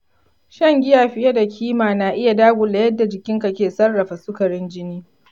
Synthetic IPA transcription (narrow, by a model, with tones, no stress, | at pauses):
ʃɐ˦˨ŋɡʲɪ˦jaː˨ɸɪ˦ja˦da˨kʲʰiː˦maː˨na˨ʔɪ˦ja˨daː˦ɡʷʊ˨la˨jɐ˦dːa˨d͡ʒɪ˨kʲɪ˦ŋka˨kʲeː˨sɐ˦rːɐ˨ɸa˨sʊ˦kɐ˨ɽɪ˦nd͡ʒɪ˦niː˦